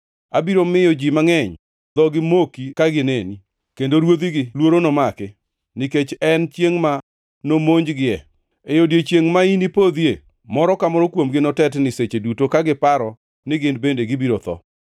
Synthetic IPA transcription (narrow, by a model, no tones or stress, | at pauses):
abiɾomɪjɔd͡ʒimaŋɛɲ | d̪ɔɡɪmokikaɡɪneni | kendoɾwod̪iɡɪlwoɾonɔmakɪ | nɪket͡ʃɛnt͡ʃjeŋma | nomoɲd͡ʒɡɪɛ̰ | ejodjet͡ʃjeŋmainipod̪je | mɔɾɔkamɔɾɔkwomɡɪnɔtɛtnɪset͡ʃedutokaɡɪpaɾɔ | nɪɡɪnbendeɡɪbiɾot̪ɔ̰